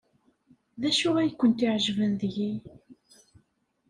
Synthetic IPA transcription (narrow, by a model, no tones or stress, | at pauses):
ðæʃʊʁæjkʷːənt̪ɪʕʒvənðʝi